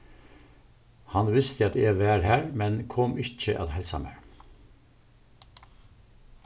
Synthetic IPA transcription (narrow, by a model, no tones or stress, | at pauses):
hɑnʋɪst̪ʰəɑt̪eːʋæːɹhæːɹmɛnkʰɔmɪc͡çə̰ʔɑ̰t̪hɛɪlsɑ̰mæ̰ːɹ